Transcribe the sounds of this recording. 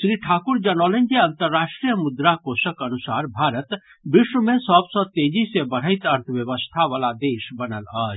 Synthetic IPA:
sɾiːʈʰaːkʊɾd͡ʒɐnɔːlẽnd͡ʒjəɐ̃nt̪əɾːaːʃʈɾijəmʊd̪ɾakosəkɐnusaːɾbʱaːɾət̪ | bɪʃwəmẽsɔːbsɔt̪eːd͡ʒisebəɽ̤əɪt̪ɐɾt̪ʰəʋjəʋəst̪ʰaʋaːlad̪eːʃbənəlaːd͡ʒ

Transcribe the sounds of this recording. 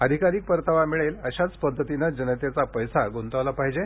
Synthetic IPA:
əd̪ʱikaɾiːk̚pəɾt̪ʰaʋamiɭeləɕat͡spəd̪ʱːət̪inad͡ʑənət̪jat͡sapəjsaɡont̪əʋlapaɦid͡ʑe

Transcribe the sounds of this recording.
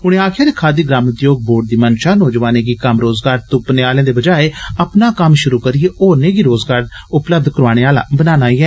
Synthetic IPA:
ʊɽ̃ẽːaːkʰaːɾekʰaːd̪iːɡɾaːmət̪joːɡ̚boːɖd̪iːmənʃaːnoːd͡ʒʋaːneːɡiːkəmɾoːzɡaːɾt̪ʊpneːaːlẽãːd̪eːbəd͡ʒaːeːəpnaːkəmʃʊɾuːkəɾɪeːoːɾneːɡiːɾoːzɡaːɾ | ʊpləbd̪kəɾaːɽ̃eːaːlã̰ːbənaːnaːiːɛː

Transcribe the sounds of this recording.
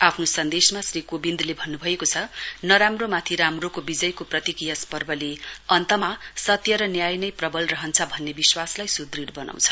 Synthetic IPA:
apʰnosʌnd̪esmasrikobind̪ʱlebʱʌnːubʱʌekot͡sʰʌnʌɾamromat̪ʰiɾamrokobid͡zʌjkoprʌt̪ikijaspʌrbʌleʌnt̪ʌmasʌt̪jʌɾʌnjajnʌjprʌbʌlrʌɦʌnt͡sʰʌbʱʌnːebiswaslajsud̪riɽbʌna̰w̃t͡sʰʌ̥

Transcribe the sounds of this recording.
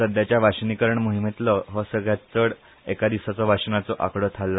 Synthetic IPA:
səd̪jat͡ɕjaʋaɕnikəɾəɳmuɦimet̪lɔɦɔsəɡɭjat͡st͡səɽ | ekad̪isat͡sɔʋʱaɕnat͡sɔʔa̰kɽɔt̪ʰalːa

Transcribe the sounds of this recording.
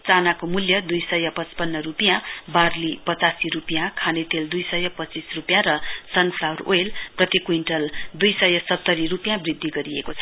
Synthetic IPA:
t͡sanakomuljʌd̪ujsʌjʌpʌt͡spʌnːʌrupijãbarlipʌt͡sasiɾupijãkʰanet̪eld̪ujsʌjʌpʌt͡sisrupjãɾʌsʌnpʰlawro̰jlprʌt̪ikwiɳʈʌld̪ujsʌjʌsʌt̪ːʌɾirupjãbrid̪ʱːiɡʌɾiekot͡sʰʌ

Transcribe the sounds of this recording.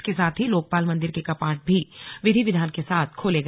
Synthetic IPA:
kesaːt̪ʰɦiloːk̚paːlmɐ̃nd̪ɪɾkekɐpaːʈ̚bʱiʋɪd̪ʱiʋɪd̪ʱaːnkesaːt̪ʰkʰoːleɡ

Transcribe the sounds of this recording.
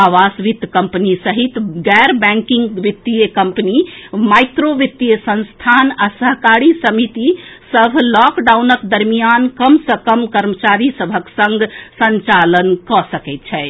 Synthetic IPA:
aʋasʋit̪kəmpnisəɦit̪ɡɛɾbɛ̃ŋkiŋɡʋit̪ːijəkəmpənimajt̪ɾoʋit̪ːijəsə̃nst̪ʰanasəɦkaɾisəmit̪isəbʱlɔkɖawnəkd̪əɾmijankəmsəkəmkəɾmət͡ʃaɾisəbʱəksə̃ŋɡʱsənt͡ʃalənkɔsəkɛɪt̪̚t͡ʃʰɛ

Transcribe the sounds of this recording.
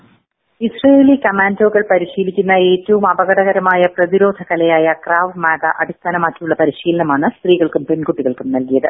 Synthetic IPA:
isreeːlikɐmaːndo̞ːɣɐɭpɐɾiɕiːlikʲːunːɐe̞ːtːɐʋumɐbɐɣɐɽɐɣɐɾɐmaːjɐprɐðiɾo̞ːd̪ʱɐkɐlɐjaːjɐkraːʋmaːðɐ̰ʔɐɽʱist̪aːnɐmaːkːijuɭːɐpɐɾiɕiːlɐnɐmaːɳɨst̪riːɣɐɭkumpe̞nkuʈːiɣɐɭkumnɐlkijɐðɨ

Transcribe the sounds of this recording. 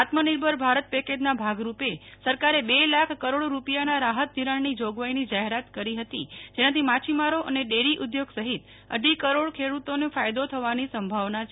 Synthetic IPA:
at̪məniɾbʱəɾbʱaɾət̪̚peked͡ʒnabʱaɡɾupesəɾkaɾebelakʰkːəɾoɽɾupijanaɾaɦət̪̚d̪ʱiɾaɳnid͡ʒoɡʋajnid͡ʒaɦeɾat̪kəɾiɦət̪id͡ʒenãt̪ʰimat͡ʃʰimaɾoʔəneɖeɽiʔud̪joɡsəɦit̪ | ə̰ɖikəɾoɽkʰeɽut̪onefajd̪ot̪ʰəʋanisəmbʱaʋnat͡ʃʰ

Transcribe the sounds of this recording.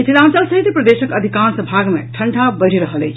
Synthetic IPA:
it̪ʰilãnt͡ʃəlsəɦit̪pɾəd̪esəkəd̪ʱikansə̃bʱaɡmḛʈʰəɳʈʰabəɽ̤ʱiɾəɦəlḛjt͡ʃʰ

